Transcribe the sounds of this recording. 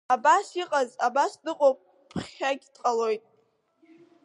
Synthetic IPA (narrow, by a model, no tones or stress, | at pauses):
abasiqʼazabasdɨqʼopʼ | pʰχʲaɡʲtʼqʼalojtʼ